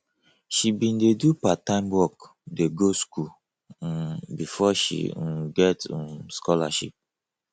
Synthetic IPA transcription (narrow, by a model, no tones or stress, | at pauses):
ʃibĩndedupatãɪ̃mwɔk | deɡosku | bifɔʃḭɡɛtskɔla̰ʃip̚